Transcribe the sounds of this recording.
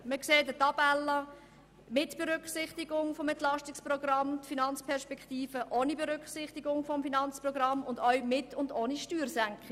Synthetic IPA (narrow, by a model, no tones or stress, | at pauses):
məkseːdətɑb̥ɛlːə | mɪtb̥eɾʏkχsɪχtɪɡʊŋfɔmɛntlɑʃtɪksprɔɡɾɑmtfinɑnt͡spʰɛɾʃpɛktiːfəʔonibeɾʏkχsɪχtiɡʊŋfɔmfinɑnt͡sprɔɡrɑmʊndœɥmɪtʰʊndoːniʃtyːɾsæŋkχɪ